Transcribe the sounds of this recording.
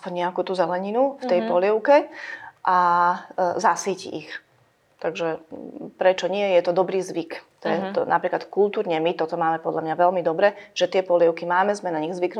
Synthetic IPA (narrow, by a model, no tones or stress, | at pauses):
aspɔɲɲɛakuːt̪uzɛlɛɲinuft̪ɛjpɔljɛʊkɛʔa | zasiːcḭʔḭx | t̪aɡʒɛpɾɛt͡ʃɔɲɪɛjɛt̪ɔd̪ɔbɾiːzʋikt̪ɔjɛt̪ɔna̰pɾiːklat̪kulˠt̪uːɾɲɛmit̪ɔt̪ɔmaːmɛpɔd̪ʎamɲaʋɛlmid̪ɔbɾɛʒ̥ɛt̪ɪɛpɔlɛʊkimaːmɛzmɛnaɲiɣzʋikn